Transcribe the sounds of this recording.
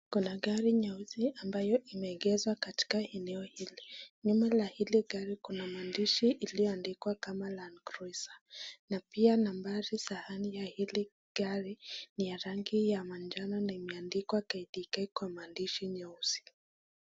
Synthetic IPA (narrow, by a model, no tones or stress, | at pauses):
kunaɠaɾiɲauziʔambajɔʔimɛːɡɛzwakati̥kaɛnɛɔhiliɲumɛlahiliɡaɾikunamandiʃiʔːlijɔandikwakamalankɾɔisḁnapianambaɾisahanijahili | ɡ̥aɾinijaɾaŋɡijamand͡ʒananaimɛandikwakaiɗikɛkwamaːndiʃiɲɔuzi̥